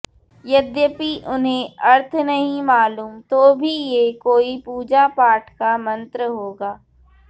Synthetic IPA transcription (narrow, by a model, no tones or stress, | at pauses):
jɐd̪jəpiʔʊnɦẽɐɾt̪ʰnɐɦĩmaːluːmt̪oːbʱijekoːipuːd͡ʒapaːʈʰkamɐ̃nt̪ɾəɦoːɡaː